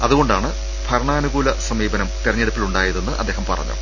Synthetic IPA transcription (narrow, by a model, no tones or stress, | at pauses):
ɐðuɣo̞ɳɖaːɳɨ | bʱɐɾɐɳaːnuɡuːlɐsɐmiːbɐnɐmt̪irɐɲːeɽupːiluɳɖaːjiðenːɨʔɐ̰d̪ːeːhɐmpɐrɐ̰ɲːṵ